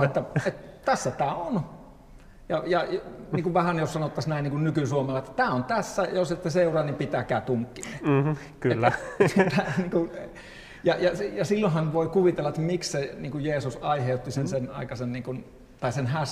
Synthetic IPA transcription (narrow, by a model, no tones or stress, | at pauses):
et̪ːæet̪t̪æsːæt̪æːon | jɑjɑnniːŋkuʋʋæhænjossɑnot̪ːɑsnæˑiniːŋkunnykysuomɑlːɑet̪ːæ̥t̪æːont̪æsːæjosit̪ːeseurɑːnimpit̪ækæːt̪uŋkːine | kyelːæet̪ːæniːŋkun | jɑjɑsjɑsilːohɑnʋoikuʋit̪elːɑet̪ːæmiksseniːŋkujjeːsusɑiheut̪ːisensenɑ̰ˑikɑsenniːŋkun | t̪ɑisenhæs